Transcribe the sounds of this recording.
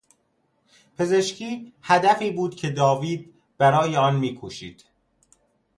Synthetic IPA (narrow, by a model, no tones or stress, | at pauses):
pʰe̞ze̞ʃcʰiːhæd̪æfiːbuːd̪cʰe̞d̪ɒːviːd̪̚ | b̥æɾɒːjeɒːnmiːkʰuːʃḭːd̪̥